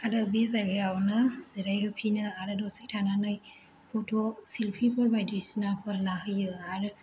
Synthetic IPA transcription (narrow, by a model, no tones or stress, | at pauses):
adabezaɡeawnɯz̥eɾajhɯpʰinɯaɾɯdɔsik̚tʰananɯj | pʰotʰosilpʰipʰɔɾbajdɾisinapʰɯɾnaɦɯjɯaɾɯ